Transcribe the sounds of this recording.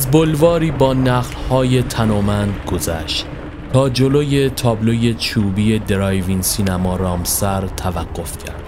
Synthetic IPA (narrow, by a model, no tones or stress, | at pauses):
æzbolvɒːɾiːbɒːnæɣlhɒːje̞t̪ʰænɒːmænd̪ɡo̞zæ̰ʃt̪ | t̪ʰɒːd͡ʒo̞loːje̞t̪ʰɒːblo̞je̞t͡ʃʰuːbije̞d̪eɾɒjvinsiːnæmɒːɾɒːmsæɾt̪ʰævæɡːo̞fcʰæ̰ɾd̪̥